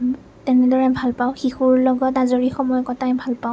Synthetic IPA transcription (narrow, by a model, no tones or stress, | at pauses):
tɛnɛdɔɹɛbʱalpaʊxixuɹlɔɡɔtazoɹixɔmɔjɔkɔtajbʱalpaʊ